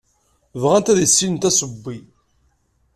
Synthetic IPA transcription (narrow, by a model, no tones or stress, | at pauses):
vʁænt̪æðisːinnt̪æsəbːi